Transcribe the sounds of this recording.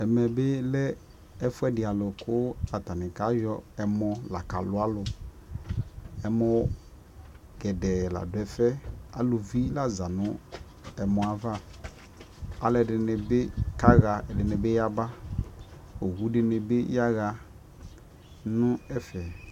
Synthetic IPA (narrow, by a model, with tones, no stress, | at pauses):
ɛ˨mɛ˨bɪ˦lɛ˦ | ɛ˦fʊ˦ɛ˦dɪ˨a˨lʊ˨kʊ˦a˨ta˨nɪ̃˨ka˨˦jɔ˦ɛ˨mɔ˨la˨ka˨lʊ˦a˦lʊ˨ | ɛ˨mɔ˨ | ɡ̥ɛ˨dɛ˨la̰˨dʊ˨ɛ˨fɛ˦a˨lʊ˨vi˦la˦za˨nʊ̃˦ | ɛ˨mɔ̃˨a˨va˦ | a˨lɛ˨dɪ˨nɪ˨bɪ˦ka˦ɣa˨ɛ˨dɪ˨nɪ̃˨bɪ˦ja˦ba˦ | o˨ɣu˦dɪ˨nɪ˨bɪ˦ja˦ɣa˨ | nʊ̃˦ɛ˦fɛ˨